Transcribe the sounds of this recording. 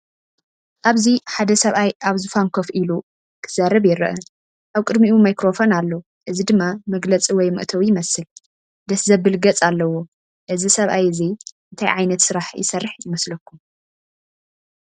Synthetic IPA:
ʔaβziħad̪ɐsɐβʔajʔaβzufamkʰofʔilu | kʰɨz̥aɾɐβjɪɾɐ̰ʔɐ | ʔaβkʼɨd̪miʔumajkɾo̞fonalːo | ʔɨzid̪ɨmːamɐɡlɐt͡sʼiwɔjmɨ̰ʔt̪ʰɐwjɪmɐsɨl | d̪ɐszɐbɨlɡɐt͡sʼalːɐwo̞ | ʔɨzisɐβʔajɨziɨnt̪ʰajʕajnɐt̪sɨɾaħjɪ̰sɐrːɨħjɪmɐslɐkːum

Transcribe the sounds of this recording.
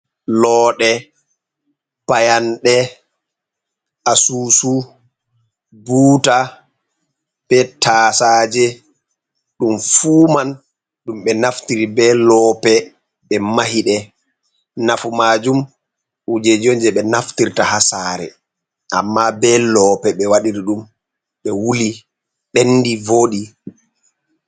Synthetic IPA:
lɔːɗɛ | pajanɗɛ | ʔasuːsu | buːta | bɛtaːsaːd͡ʒɛ | ɗumfuːman | ɗumɓɛnaftiɾibɛlɔpɛ | ɓɛmahiɗɛ | nafumaːd͡ʒum | ud͡ʒed͡ʒond͡ʒɛɓɛnaftiɾtahasaːɾɛ̰ | ʔa̰mːabɛlɔːpɛɓɛwaɗiɾiɗum | ɓɛwuli | ɓenːdivoɗi

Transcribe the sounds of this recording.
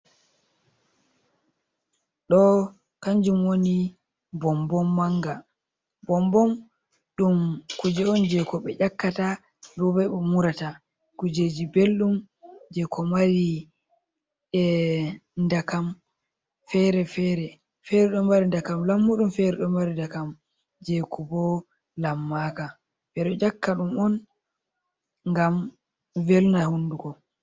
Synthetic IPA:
ɗɔ | kaɲd͡ʒumwoni | bɔmbɔmːaŋɡa | bɔmbɔm | ɗumkud͡ʒɛɔnd͡ʒɛkɔɓɛʔakːata | dubɛɓɔmuɾata | kud͡ʒed͡ʒibelɗum | d͡ʒɛkʰɔmaɾi | ɛ | ndakam | fɛɾɛfɛɾɛ | fɛɾɛɗɔmbaɾindakamlamːuɗumfɛɾɛɗɔmaɾindakam | d͡ʒɛkɔbɔ | lamːaka | bɛɗɔd͡ʒakːaɗumɔn | ŋɡam | velnahundukɔ

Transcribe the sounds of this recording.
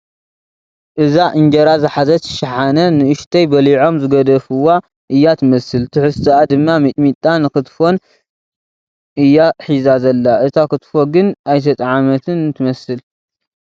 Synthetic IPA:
ʔɨzaʔɨɲd͡ʒɐɾazɨħazɐt̪ʰɨ̥ʃaħanɐnɨɨʃt̪ʰɐjbɐliʕo̞mzɨɡɐd̪ɐfɨwːa | ʔɨjːat̪ʰɨmɐsɨlt̪ʰɨħɨst̪ʰɨad̪ɨmːamɨt̪ʼmit̪ʼːanɨkɨt̪fo̞n | ʔɨjːaħizazɐlːaʔɨt̪ʰakɨt̪foɡɨnajt̪ʰɐt̪ʼʕamɐt̪ʰɨnt̪ʰɨmɐsɨl

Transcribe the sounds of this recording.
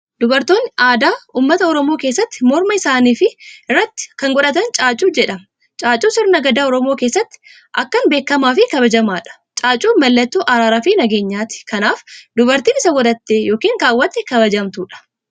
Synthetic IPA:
d̪ʊbɐɾt̪o̞ːnːɪaːd̪aːuːmːɐt̪ɐɔɾɔmo̞ːke̞ːsːɐt̪ːɪmɔɾmɐɪsaːniːfɪɪrːɐt̪ːɪ̥kɐŋɡɔᶑɐt̪ɐnt͡ʃʼaːt͡ʃʼuːd͡ʒɛᶑɐm | t͡ʃʼaːt͡ʃʼuːsɪɾnɐɡɐd̪aːɔɾɔmo̞ːke̞ːsːɐt̪ːɪ̥ | ʔɐkːɐnbe̞ːkːɐmaːfɪkɐβɐd͡ʒɐmaːᶑɐ̥ | t͡ʃʼaːt͡ʃʼuːnmɐlːɐt̪ːuːʔɐɾaːɾaːfinɐɡe̞ːɲːaːt̪ɪ̥kɐnaːfd̪ʊbɐɾt̪iːɪsɐɡɔᶑ̪ɐt̪ːeːjo̞ːkiːŋkaːwːɐt̪ːɛkɐbɐd͡ʒɐmt̪uːᶑɐ̥

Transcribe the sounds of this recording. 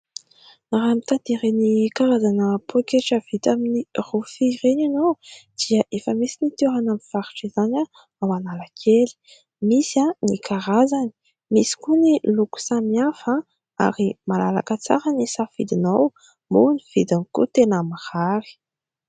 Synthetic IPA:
naɾamit̪at̪iɾenikaɾazanəpokeʈ͡ʂəvit̪aminirufiʁeninowd̪̥iəʔefəmisinit̪eɾanamiv̥aɾuʈ͡ʂizaɲa | awanaləkʰeli̥ | misãnikʰaɾazani̥ | misi̥kuniluku̥samiafa | a̰ɾimalala̰kət͡sa̰ɾənisafḭd̪inaw | moniv̥id̪anikṵt̪enəmaʁaɾi̥

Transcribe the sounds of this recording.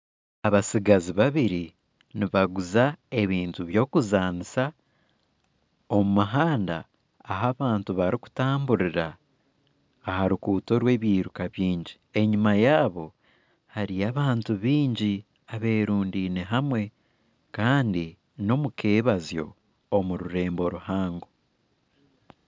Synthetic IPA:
aβasiɡaziβaβiɾi | niβaɡuzae̞βiːntuβjo̞ːkuzaːnisa | o̞mumaɦaːnda̰ː | ɦaβaːntuβaɾiku̥taːmbuɾiɾa | ɦaɾukuːto̞ɾwe̞ːβjiːɾukaβjiːɲɟi | e̞ɲimajaːβo̞ | haɾiaβaːntuβiːɲɟi | aβe̞ɾuːndineɦamwe̞ | kaːndi | no̞mukʰeːβazjo̞̰ː | muɾuɾe̞ːmbo̞ɾuhaːŋɡo

